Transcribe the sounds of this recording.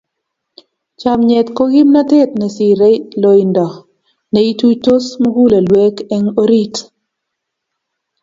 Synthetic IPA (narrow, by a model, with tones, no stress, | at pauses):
t͡ʃamɲɛ˨t̪ko˦ɡi˦mna˦te˦t̪nɛ˨si˨ɾɛ˦lo˨jndɔ˨ | nɛ˨i˦tu˦to˦smo˦ɡu˦le˨lwe˦kɛ˦ŋo˦ɾi˦t